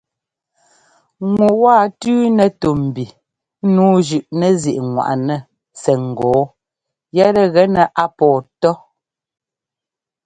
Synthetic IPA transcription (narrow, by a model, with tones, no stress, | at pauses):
ŋwu˨waː˦˨tʉː˦nɛ˨to˨m̩˨bi˨˦ | nuː˨˦d͡ʒʉ˨ʔnɛ˨zi˨ʔŋwa̰˨ʔnɛ˨ | sɛ˨ŋ̩˨ɡɔː˨˦ | jɛ˦ɾɛ˦ɣɛ˦nɛ˨ʔa˦pɔː˨tɔ˦